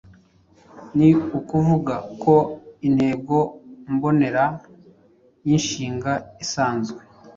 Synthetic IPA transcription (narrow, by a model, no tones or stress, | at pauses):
niukuvuɡako̞in̥he̞ːɡo̞mbo̞ne̞ɾa | jinʃiːŋɡaisaːnzɡwe